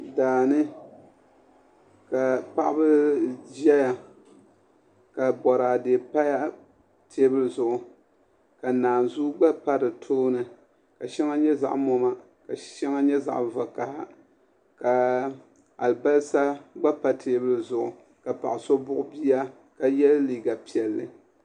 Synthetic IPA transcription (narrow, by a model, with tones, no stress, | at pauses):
daː˨nɨ˦ | ka˨pa˦ʔbɨ˦d͡ʒɛ˦ja˨ | ka˨bɔ˨ɾaː˨deː˨pa˦ja˦ | tʰeː˦bɨ˦lɨ˦zʊ˨ʔʊ˨ | ka˨naː˨nzu˦ɡ͡ba˦pa˦ɾɨ˨tʰoː˦nɨ˨ | ka˨ʃɛ˦ŋa˦ɲɛ˦za̰˨ʔmo˦ma˦ | ka˨ʃɛ˦ŋa˦ɲɛ˦za̰˨ʔva˨ka˨ha˦ | ka˨ | a˨lɨ˨ba˦lsa˦ɡ͡ba˦pa˨tʰeː˨˦bɨ˦lɨ˦zʊ˨ʔʊ̰˨ | ka˨pa̰˨ʔso˦bʊ˦ʔʊ˦bi˦a˦ | ka˦jɛ˦lliː˨ɡa˨pi˨ɛ˨lːɨ˨